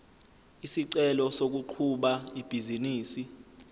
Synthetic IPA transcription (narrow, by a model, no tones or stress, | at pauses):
isiǀɛlɔsok̬uǃʰuɓaib̥ʱiziniːsi